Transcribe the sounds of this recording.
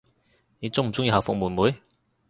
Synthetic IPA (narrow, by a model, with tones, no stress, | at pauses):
ne˨˧t͡sʊ˥ŋm̩˨˩t͡sʊ˥ŋjiː˧hɐ˨˩wfʊ˨k̚muː˨˩nmuː˨˥j